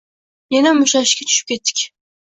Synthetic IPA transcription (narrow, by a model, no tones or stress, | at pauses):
jenamʊʃaʃkʲat͡ʃ̪ʰʊ̥ʃɪp̚kʲe̞t̪ːɪ̥kʲ